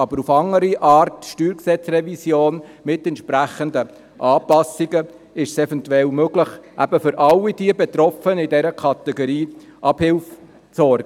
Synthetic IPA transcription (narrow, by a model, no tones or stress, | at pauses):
ɑbəɾufɑŋːəɾiʔɑːɾtʃtyːɾksɛt͡srɛvisjoːnmɪtɛntʃpɾæχəndə | ʔɑːpɑsiɡə | ɪʃsɛfɛntuɛlmøɡləχʔæ̰b̥əfʏɾʔɑlːid̥iəbɛt̪ɾɔfənɪdɛɾəkʰɑt̪ɛɡoɾiːʔɑb̥hɪlf | t͡sɔɾɡ